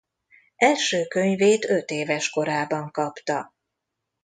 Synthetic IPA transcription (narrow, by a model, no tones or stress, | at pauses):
ʔɛlʃøːkø̞ɲveːt̪ø̞t̪eːvɛʃko̞ɾaːbɒŋkɒpt̪ɒ